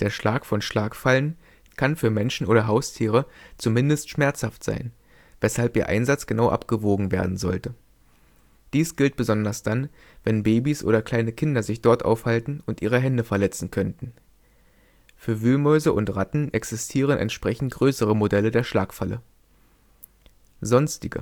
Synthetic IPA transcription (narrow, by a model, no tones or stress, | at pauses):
d̥eːɐʃlaːkfɔnʃlaːkfalən | kʰanfyːɐmɛnʃn̩ʔoːɾɐɦaʊstʰiːʁ̞ət͡sumɪndəstʃmɛɐt͡shaftz̥a̰ɪn | vɛshalpʔiːɐʔa̰ɪnzat͡sɡ̥ənaʊʔa̰pɡ̥əvoːɡŋ̩vḛːɐdn̩zɔ̰ltə | d̥iːsɡ̥ɪlt̚b̥əzɔndɐsd̥an | vɛnbeːbisʔo̰ːɾɐkl̥aɪnəkʰɪndɐzɪçd̥ɔɐtʔa̰ʊfhaltn̩ʊntʔḭːʁ̞əɦɛndəfɛɐlɛt͡sn̩kʰœntn̩ | fyːɐvyːlmɔʏzəʔʊntʁatn̩ʔɛksɪstʰiːʁ̞ənʔɛ̰ntʃpʁ̥ɛçn̩t̚ɡ̥ʁøːsəʁ̞əmodɛlədeːɐʃlaːkfalə | zɔnstɪɡə̰